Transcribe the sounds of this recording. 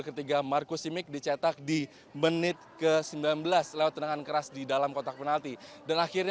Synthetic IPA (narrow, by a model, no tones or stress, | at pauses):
kət̪iɡamarkusimɪk̚dit͡ʃat̪ak̚di | mənɪt̪̚kəsəmbilanbəlaslewat̪̚ːənaŋankəɾasdidalamkot̪apənalt̪idanaxirɲ